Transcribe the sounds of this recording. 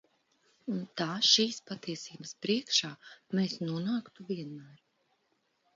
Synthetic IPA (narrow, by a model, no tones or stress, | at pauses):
unt̪aːʃiːspat̪iɛsiːbɐspɾiɛkʃaːmeːsnuɔnaːkt̪uviɛnmæːɾ